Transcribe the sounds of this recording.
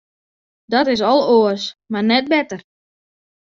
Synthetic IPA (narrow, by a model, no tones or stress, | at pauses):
dɔtɪs̬ɔlˠoəsmarnɛt̚bɛtər